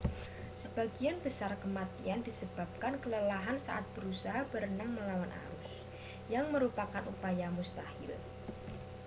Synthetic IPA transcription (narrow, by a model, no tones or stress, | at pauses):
səbaɡianbəsarkəmat̪iandisəb̥ap̚kankələlaɦansa̰ʔat̪̚b̥əɾusaɦabəɾənəŋməlawanʔa̰ɾʊs | jaŋməɾupakanʔupajamust̪ahɪ̰l